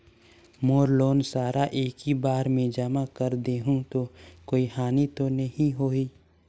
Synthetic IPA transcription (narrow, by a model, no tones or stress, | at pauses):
moːɾloːnsaːɾaʔeːkibaːɾmẽd͡ʒəmakəɾd̪eːɦũt̪okoːihaːnit̪onəɦĩɦoːiː